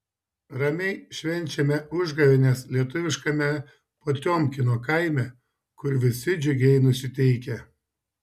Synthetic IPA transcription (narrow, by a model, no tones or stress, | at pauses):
ɾɐmʲɛɪʃʲʋʲɛnʲˑt͡ʃʲɛmʲɛʔʊʒɡɐʋʲɪnʲɛslʲiɛt̪ʊʋʲɪʃkɐmʲɛ | poːt̪ʲoːmʲkʲɪnoːkɐɪmʲɛ | kʊɾʋʲɪsʲɪd͡ʒʲʊɡʲɛɪnʊsʲɪt̪ʲɛɪkʲɛ